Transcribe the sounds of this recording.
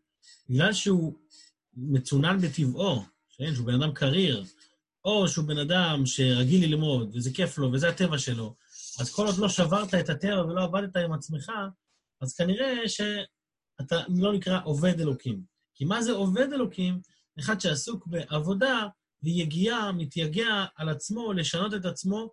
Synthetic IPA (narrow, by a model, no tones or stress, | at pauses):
biɡlalʃeu | met͡sunanbet̪ivo̞ | ʃenʃ̬eube̞nad̪amkʰaʁiʁ | o̞ʃeube̞nadamʃe̞ʁaɡililmo̞d̪vezekeflo̞vezeate̞vaʃe̞lo̞ | azko̞lod̪lo̞ʃavaʁt̪aet̪atevavelo̞avad̪et̪aimat͡sme̞χa | azkaniʁe̞ʃe̞ | at̪alo̞nikʁaʔo̞ve̞d̪e̞lo̞kim | kimaze̞o̞ve̞de̞lo̞kim | eχad̪ʃe̞asukbe̞ʔavo̞da | vejeɡiamit̪jaɡeaːlat͡smo̞le̞ʃano̞t̪̬e̞t̬at͡smo̞